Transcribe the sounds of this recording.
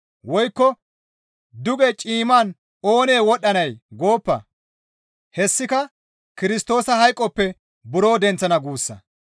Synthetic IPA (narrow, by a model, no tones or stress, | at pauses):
wɔjkːɔ | d̪ʊɡɛt͡ʃʼiːmaːn | o̞ːne̞ːwɔɗːɐnɐjɡo̞ːpːɐ̰ | hɛsːɪkɐ | kɪɾɪst̪o̞ːsɐɦɐjkʼːɔpːɛ | bʊɾo̞ːd̪ɛnt͡sːɐnɐɡuːsːɐ̰